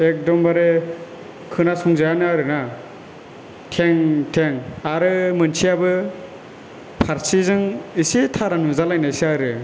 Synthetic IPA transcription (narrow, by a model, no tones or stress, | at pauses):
ek̚dɔmbaɾe | kʰɯnasɔŋzajanɯaɾɯna | tʰeŋtʰeŋaɾɯmɯnsʰiabɯ | pʰaɾsizɯŋisitʰaɾanuzalajnaisiaɾɯ